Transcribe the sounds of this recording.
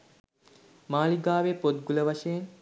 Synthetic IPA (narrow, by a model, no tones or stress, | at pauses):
maːliɡaːʋepot̪̚ɡuləʋaʃəjen